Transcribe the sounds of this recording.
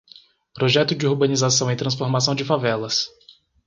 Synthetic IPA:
pɾoʒɛt̪ʊd͡ʒɪuɾbɐ̃nizasɐ̃w̃ẽt̪ɾɐ̃sfoɾmasɐ̃w̃d͡ʒɪfavɛlɐs

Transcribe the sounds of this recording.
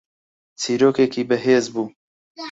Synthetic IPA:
t͡sʰiːɾoːkeːkiːbəɦeːzbuː

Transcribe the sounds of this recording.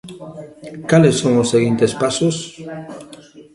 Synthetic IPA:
kalesːoŋosːeɣint̪espasos

